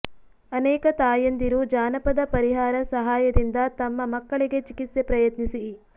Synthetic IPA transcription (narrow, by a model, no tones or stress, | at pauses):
ɐnɛːkɐt̪aːjɐnd̪iɾud͡ʒaːnɐpɐd̪ɐpɐɾiɦaːɾɐsɐɦaːjɐd̪ind̪ɐt̪ɐmːɐmɐkːɐɭiɡe̞t͡ʃikit̪sjepɾɐjɐt̪nisi